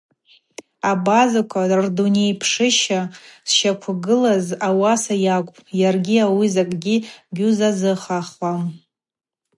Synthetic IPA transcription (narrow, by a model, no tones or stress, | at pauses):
abazakʷʰardunejpʰʂɨʃasʃakʷʰaɡɨlazawasajakʷʼpʼjarɡʲiawizakʼɡʲiɡʲuzazɨχaχa